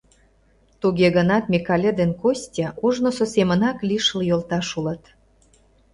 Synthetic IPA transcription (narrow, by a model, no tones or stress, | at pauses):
t̪uɣeɣənɑt̪̚mʲikɑlʲed̪enkosʲtʲɑʔuʒnososemə̆nɑklʲiʃəljolt̪ɑʃulət̪